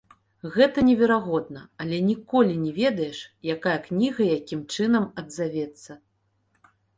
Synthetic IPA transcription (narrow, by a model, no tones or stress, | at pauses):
ɣɛt̪ɐnʲɛvʲɛɾaɣɔd̪̚nɐɐlʲɛnʲikɔlʲinʲɛvʲɛd̪ɐjɛʂjakajɐknʲiɣɐjakʲimt͡ʂɨnɐmɐd̪zavʲɛt̪sːɐ